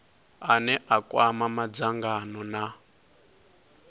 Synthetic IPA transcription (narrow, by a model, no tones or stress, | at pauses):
anɛʔakʼwamamad͡zaŋɡanɔna